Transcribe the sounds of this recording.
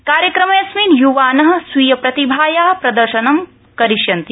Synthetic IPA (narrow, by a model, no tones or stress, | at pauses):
kaːɾjɐkɾɐmɐjɐsmiːnjuʋaːnɐɦɐ̆sʋijɐpɾɐt̪ibʱaːjaːɦɐpɾɐd̪ɐɾʃɐnɐm | kɐɾiʃjɐnt̪i